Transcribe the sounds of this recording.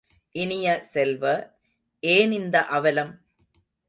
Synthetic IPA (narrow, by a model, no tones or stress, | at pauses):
ʔɪnɪjɐsɛlʋɐ | ʔeːnɪnd̪ɐʔɐʋɐlɐm